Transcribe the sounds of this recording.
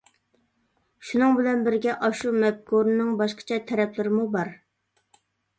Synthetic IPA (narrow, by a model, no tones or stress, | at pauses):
ʃunɨŋbɪlɛnbɪɾɡʲɛʔɑʃumɛp̚kʰoɾɨnɨŋbɑʃqʰə̥t͡ʃʰɛt̪ʰɛɾɛpʰlɪɾɪmubɑɾ